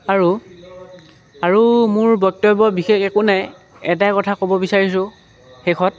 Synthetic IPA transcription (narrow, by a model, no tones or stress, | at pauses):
aɹu | aɹumʊɹbɔk̚tɔbɔbixexɛkʊnaj | ɛtajkɔtʰakobɔbisaɹis̬ʊ̃ | xexʰɔt